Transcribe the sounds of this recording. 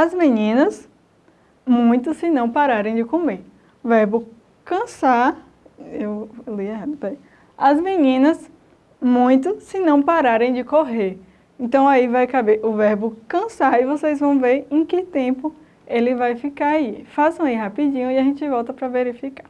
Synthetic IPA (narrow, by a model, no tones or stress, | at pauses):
ɐzminĩnɐs | mũj̃t̪ʊsɪnɐ̃w̃paɾaɾẽj̃d͡ʒɪkomeɾ | ʊvɛɾbʊ | kɐ̃sa | ewliɛɦad̪ɐpɛ | ɐzmĩnĩnɐs | mũj̃t̪̬ʊsɪnɐ̃w̃paɾaɾẽj̃d͡ʒɪkoɦeɾ | ẽnt̪ɐ̃w̃aivajkabeʔʊvɛɾbʊkɐ̃saivosejzvɐ̃w̃veɾẽj̃kɪt̪ẽpʊ | elɪvajfikaaifasɐ̃w̃iɦapid͡ʒĩɲʊiaʒẽnt͡ʃɪvɔwt̪ɐpɾɐveɾifikḁ